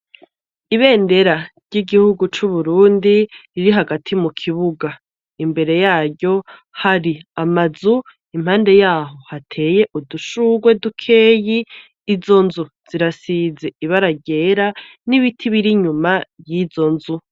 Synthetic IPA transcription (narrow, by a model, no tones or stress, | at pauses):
iβe̞ːnde̞ɾaɾɟiɡihuɡut͡ʃuβuɾuːndiɾiɾiɦaɡatʰimukʰiβuɡa | imbe̞ɾe̞jaːɾɟo̞haɾiamazu | imhaːnde̞jaːɦo̞hatʰe̞ːje̞ʔuduʃuːɡwe̞dukʰe̞ːjiː | zo̞nzu | z̥iɾasize̞iβaɾaɟe̞ɾa | niβitʰiβiɾiɲumajiːzo̞nzu